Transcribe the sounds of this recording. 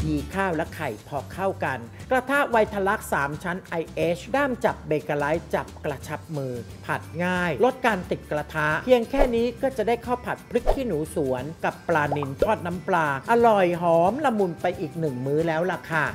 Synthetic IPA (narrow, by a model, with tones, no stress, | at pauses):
jiː˧kʰaː˥˩wlɛ˦˥kʰa˨˩jpʰɔː˧kʰa˥˩wka˧nkɾa˧t̪ʰa˦˥wa˧jt̪ʰa˧la˦˥k̚saː˩˦mt͡ɕʰa˦˥nʔa˧jʔeː˦˥t͡ɕʰdaː˥˩mt͡ɕa˨˩p̚beː˧kaː˧la˦˥jt͡ɕa˨˩p̚kɾa˧t͡ɕʰa˦˥p̚mɯː˧ | pʰa˨˩t̪̚ŋaː˥˩jlo˦˥t̪̚kaː˧nt̪i˨˩t̪̚kɾa˧t̪ʰa˦˥pʰi˧əŋkʰɛː˥˩niː˦˥kɔː˥˩t͡ɕa˨˩daː˥˩jkʰa˥˩wpʰa˨˩t̪̚pʰɾɯ˦˥k̚t̪ʰiː˥˩nuː˩˦su˩˦ənka˨˩pːlaː˧ni˧nt̪ʰɔː˥˩t̪̚na˦˥mplaː˧ʔa˧lɔ˨˩jɦɔː˩˦mla˧mu˧npa˧jʔiː˨˩k̚nɯ˨˩ŋmɯː˦˥lɛː˦˥wla˧˩kʰa˥˩